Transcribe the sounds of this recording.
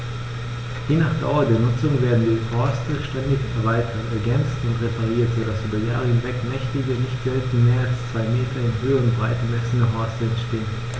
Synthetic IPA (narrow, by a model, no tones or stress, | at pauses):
jeːnaːχd̥a̰ʊɐdeːɐnʊt͡sʊŋveːɐdn̩diːhɔɐstəʃtɛndɪçɛɐvaɪtʰɐtɛɐɡɛnt͡stʊntʁepʰaʁ̞iːɐtz̥oːdasʔyːbɐja̰ːʁəhɪnvɛkmɛçtɪɡənɪçtɡ̥ɛltimeːɐalst͡sv̥aɪmeːtʰɐɪnɦøːəʁənbʁaɪtəmɛsənəɦɔɐstəɛntʃteːən